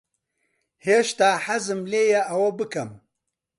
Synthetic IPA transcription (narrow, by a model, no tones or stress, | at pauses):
heːʃt̪aːħɐzɨmleːjɛʔɐwɐbɨkɐm